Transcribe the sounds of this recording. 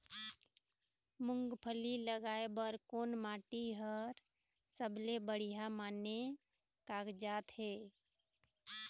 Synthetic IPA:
mʊŋɡpʰəliləɡaːebəɾkoːnmaːʈiɦəɾ | səbʱlebəɽ̤ijamaːne | kaɡd͡ʒaːt̪ɦeː

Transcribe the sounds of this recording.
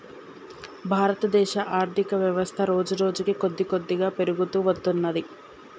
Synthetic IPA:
bʱaːɾɐt̪ɐd̪ɛːʃɐʔaːɾt̪ʰikɐʋjɐʋɐst̪ʰɐɾo̞ːd͡ʒuɾo̞ːd͡ʒukiko̞d̪ːiko̞d̪ːiɡaːpe̞ɾuɡut̪uːʋɐd̪ːunːɐd̪i

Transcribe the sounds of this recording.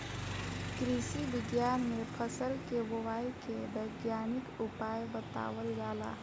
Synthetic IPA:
kɾisiʋɪɡjaːnmẽpʰəsəlkebowaːikebɐɪɡjaːnɪkʊpaːjbət̪a̰ːwəlɡaːla̰ː

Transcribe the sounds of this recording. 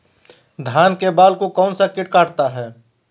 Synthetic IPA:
d̪ʱaːnkebaːlkokɔːnsakɪʈ̚kaːʈt̪aɦɛː

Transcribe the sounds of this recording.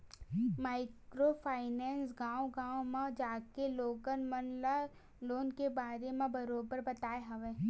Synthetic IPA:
maːɪkɾopʰaːɪnɛːnsɡãːwɡãːwmãd͡ʒaːkeloːɡənmɐnla | loːnkebaːɾemẽbɐɾoːbəɾbɐt̪aːeɦɐʋẽː

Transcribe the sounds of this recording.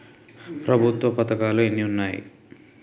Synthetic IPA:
pɾɐbʱut̪ʋɐpɐt̪ɐkaːluenːiunːaːjḭ

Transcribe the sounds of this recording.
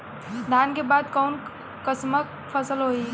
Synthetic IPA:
d̪ʱjaːnkebaːd̪kɔːn | kəsmək | pʰəsəlɦoi

